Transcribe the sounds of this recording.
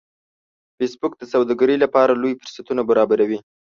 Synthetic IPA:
fesbʊk̚d̪əsawd̪ɑɡaɾəlapɑɾalojfʊɾsat̪unabaɾɑbaɾawi

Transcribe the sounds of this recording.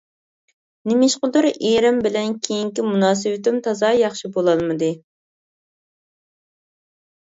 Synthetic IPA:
nɪmɪʃqʊd̪ʊɾeɾɪmbɪlɛnkʲʰejiŋkʲimunɑːsɨwɪt̪ɪmt̪ʰɑzɑjɑχʃibolˠɑlˠmɨd̪ɨ

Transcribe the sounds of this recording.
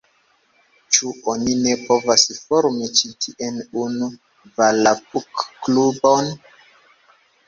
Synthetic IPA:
t͡ʃuʔonine̞po̞vasfoɾmit͡ʃitʰiʔenunu | valapukːlubon

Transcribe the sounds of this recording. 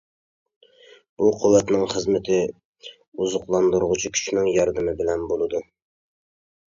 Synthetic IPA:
b̥uqʰʊwːɛt̪nɪŋχəzmɪt̪ʰɪ | uzʊqlˠɑnd̪uɾʁʊt͡ʃʰikʲʰy̥ʃnɪŋjɑɾd̪ɨmɪbɪlɛnbolˠɨd̪u

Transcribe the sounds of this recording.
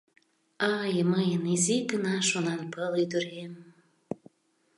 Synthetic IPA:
ɑjməjəniziɡənɑʃonɑnpəlyd̪əɾem

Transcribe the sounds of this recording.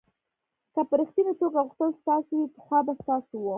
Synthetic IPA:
kapəɾixt̪inat̪oɡaɣuxt̪əlst̪ɑsowipə̥xwɑbast̪ɑsowo

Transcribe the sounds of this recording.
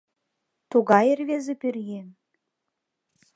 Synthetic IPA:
t̪uɣɑjĕrβezĕpyrjen

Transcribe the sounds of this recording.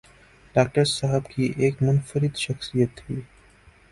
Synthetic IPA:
ɖaːk̚ʈəɾsɐɦəbkiʔeːkmʊnfəɾɪd̪ʃɐxsijət̪ʰːiː

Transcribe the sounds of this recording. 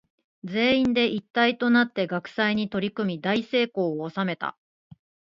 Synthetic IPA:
d͡ze̞ːĩnd̪e̞ʔit̪ːait̪o̞nat̪ːe̞ɡakɯ̟̥saiɲ̟it̪o̞ɾʲikɯ̟mʲid̪aise̞ːko̞ːoːsame̞t̪a̰

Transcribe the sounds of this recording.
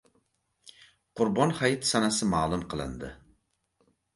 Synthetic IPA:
qʰʊɾbɒnhajɪt̪sanasɪmaːlˠʊmqʰɨlˠɪ̰nd̪ɪ

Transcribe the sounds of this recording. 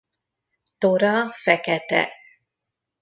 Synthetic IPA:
t̪ɔɾafɛkɛt̪ɛ̰

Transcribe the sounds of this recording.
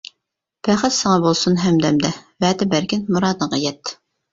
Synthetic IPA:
pʰæχæt̪sɨŋɑbolˠsunɦɛmd̪ɛmd̪ɛvɛːd̪ɪbæɾkʲɪnmuɾɑːd̪ɨɴʁɑjɛt̪ː

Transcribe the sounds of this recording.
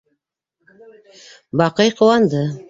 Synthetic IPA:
bɑqɤjqŏwɑnd̪ɤ

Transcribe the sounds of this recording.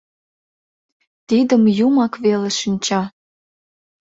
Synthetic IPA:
t̪id̪əmjumɑkβeleʃinʲt͡ɕɑ

